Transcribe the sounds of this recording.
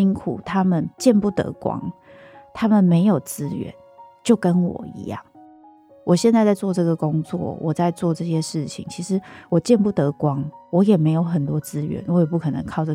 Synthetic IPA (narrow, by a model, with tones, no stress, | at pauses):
i˥ŋkʰṵ˨˩t̪ʰa˦mə˨nt͡ɕjɛ˥˧npu˥˩t̪ɤ̰˧˦kwɑ̰˦˥ŋ | t̪ʰa˦mə˨nme˧˥ɪjo˨˩ʊt͡sɹ̩˦˥ɥɛ̰˧˦n | t͡ɕjo˥˩ʊkə˦nwɔ̰˨˩ḭ˧˥jɑ̰˥˩ŋ | wɔ˨˩ɕjɛ˥˧nt͡sa˥˧ɪt͡sa˥˧ɪt͡swɔ˥˧ʈ͡ʂɤ˥˩ɡə˨kʊ˥ŋt͡swɔ̰˥˩wʔɔ˨˩t͡sa˥˧ɪt͡swɔ˥˧ʈ͡ʂɤ˥˧ɕjɛ˥ʂɻ̩˥˩t͡ɕʰḭ˨˦ŋt͡ɕʰi˧˥ʂɻ̩˧˥wɔ˨˩t͡ɕjɛ˥˧npu˥˩t̪ɤ˨˦kwɑ˦ŋwɔ˧˦jɛ˨˩me˧˥ɪjo˧˥ʊxə˨˩nt̪wɔ˥t͡sɹ̩˦ɥɛ̰˧˦nwɔ˨˦jɛ˨˩pu˥˩kʰɤ˨˩nə̰˧˦ŋkʰɑ˥˧ʊʈ͡ʂə˥˩